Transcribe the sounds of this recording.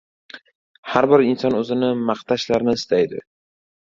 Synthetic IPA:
haɾbɪɾɪnsɒnɵzɪnɪmaqt̪ʰaʃlaɾnɪɪst̪ʰajd̪ɪ̰

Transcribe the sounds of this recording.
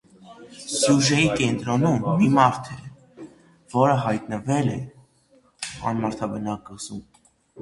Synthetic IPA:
sjuʒɛjikɛnt̪ɾɔnumːimɑɾt̪ʰɛ | vɔɾəɦɑjt̪nəvɛlɛ | ɑ̰nmɑɾt̪ʰɑbənɑkəzum

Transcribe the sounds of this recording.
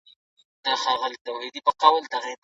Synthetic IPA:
d̪̥əxɑɣəld̪awed̪ipəqɑwəld̪aɣe

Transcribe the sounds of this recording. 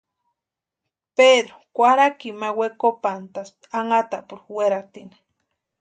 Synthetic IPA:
ped̪ɾokʷaɾakimawekopant̪as | aŋat̪apuɾweɾat̪ini̥

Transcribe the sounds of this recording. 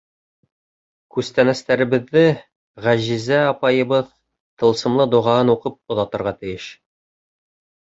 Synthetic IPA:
kʉst̪ænæst̪æɾɘ̆bɘ̆ðːɘ | ʁæʑizæɒpɑjɤ̆bɤð | t̪ɤ̆lˠsɤ̆mlˠɤd̪ŏʁɑɤnuqɤp̚ŏðɑt̪ɤ̆ɾʁɑt̪ɘ̆jɘʃ

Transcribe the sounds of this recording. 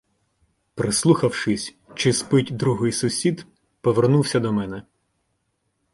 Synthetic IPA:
pɾɪslˠuxɐwʃɪsʲ | t͡ʃɪspɪtʲd̪ɾuɦɪjsʊsʲid̪ | pɔʋernuwsʲɐd̪ɔmɛnɛ

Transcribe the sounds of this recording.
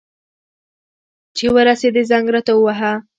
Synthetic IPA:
t͡ʃewəɾased̪ezaŋɡɾat̪awaɦa

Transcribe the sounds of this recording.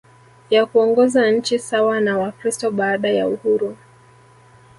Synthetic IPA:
jakuɔŋɡɔzanɲ̩t͡ʃisawanawakɾistɔɓaːɗajauhuɾu

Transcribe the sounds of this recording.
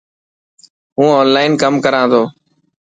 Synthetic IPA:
ɦũːoːnlaːɪnkəmkəɾãːd̪oː

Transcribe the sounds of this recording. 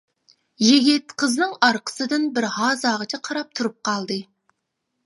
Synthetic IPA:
jeɡʲɪt̪qʰəznɨŋɑɾqʰə̥sɨd̪ɨnbɪɾhɑːzɑːʁət͡ʃʰɛqʰɑɾɑp̚t̪ʰuɾup̚qʰɑlˠd̪ɨ

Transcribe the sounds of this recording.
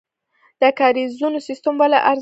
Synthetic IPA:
d̪̥əkɑɾizunosist̪ambala̰ʔaɾz

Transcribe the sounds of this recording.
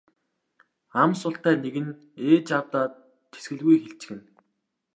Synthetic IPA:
amsʊɬt̪æːneɣɘ̆n | eːt͡ɕawt̪aː | t̪ʰːe̥sɡɘ̆ɮɣujxeɬt͡ɕɪ̥̆xɘ̆n

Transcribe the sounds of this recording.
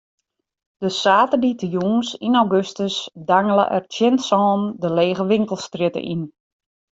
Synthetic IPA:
d̥əsaːtərditəjuːnsinawɡøstəsdaŋələ̰ʔɛ̰rtjɪnsɔːndəleːɣəʋɪŋkəlˠstrɪtə̰ʔḭn

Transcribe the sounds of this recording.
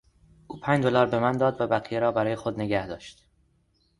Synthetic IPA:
ʔuːpʰæːɲd͡ʒd̪olɒːɾbe̞mænd̪ɒːd̪væbæɣijeɾɒːbæɾɒːje̞xod̪ne̞ɟæhd̪ɒːʃt̪

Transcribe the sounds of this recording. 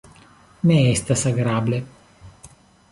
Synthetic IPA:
meɛst̪asaɡɾaːble

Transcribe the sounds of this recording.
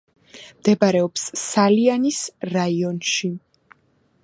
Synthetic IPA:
md̪ɛbaɾɛɔpsːalianisɾaiɔnʃi

